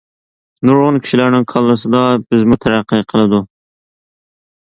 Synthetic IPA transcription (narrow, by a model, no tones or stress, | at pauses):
nuɾʁʊnkʲʰi̥ʃilæɾnɪŋkʰɑlˠːɨsɨd̪ɑbɪzmut̪ʰæɾæqʰːɨqʰəlˠɨd̪u